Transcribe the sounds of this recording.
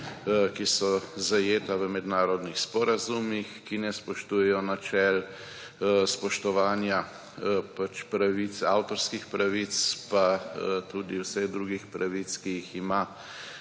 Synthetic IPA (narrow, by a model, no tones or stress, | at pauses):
kisɔzajeːt̪aʋəmɛd̪naːɾɔd̪nixspɔɾazumixkinɛspɔʃt̪uːjɛjɔnat͡ʃɛl | spɔʃt̪ɔʋaːnja | pat͡ʃpɾaʋisa̰ːwt̪ɔɾskixpɾaʋit̪spat̪ud̪iwsɛɣd̪ɾuɡixpɾʔaʋit̪skijixima